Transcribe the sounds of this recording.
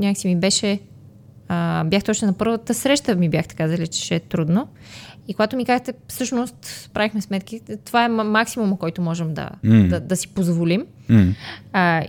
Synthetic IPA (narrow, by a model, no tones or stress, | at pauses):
nʲaksimibɛʃɛ | əbʲjaxt̪ot͡ʃnonɐpɤɾvət̪əsɾɛʃt̪əmibʲjaxt̪ɛ̥kazəlit͡ʃɛ̥ʃɛt̪ɾud̪no | ikoɡat̪omikazət̪ɛfsɤʃnost̪spɾavixmɛsmɛt̪kʲit̪ovaɛmaksimumɐkɔjt̪omɔʒɛmd̪ɐ̰d̪ɐd̪ɐsi̥pozvolim